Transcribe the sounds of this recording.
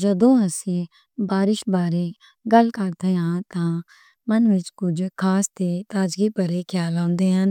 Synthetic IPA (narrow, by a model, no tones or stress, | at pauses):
d͡ʒəd̪õːəsĩ | baːɾɪʃbaːɾeː | ɡɐlkəɾt̪eːɦãːt̪ãː | mənʋɪt͡ʃkʊd͡ʒkʰaːst̪eːt̪aːd͡ʒɡiːpəɾekʰjaːlɔ̃ːnd̪eːɦɐn